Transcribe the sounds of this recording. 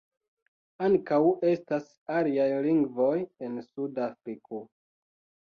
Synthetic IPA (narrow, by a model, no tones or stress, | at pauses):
aŋkawe̞stas | aliajliŋɡvo̞je̞nsudafɾikʰo